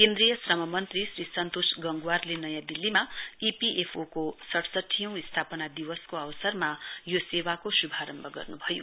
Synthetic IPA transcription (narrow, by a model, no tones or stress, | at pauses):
kẽnd̪rijʌsrʌmʌmʌnt̪risrisʌnt̪osɡʌŋɡuwarlenʌjãd̪ilːimaipiʔepʰokosʌʈʰsʌʈʰːijʌ̃w̃ist̪ʰapʌnad̪iwʌskoʌwʌsʌrmajosewakosubʱaɾʌmbʱʌɡʌ̰rnubʱʌjo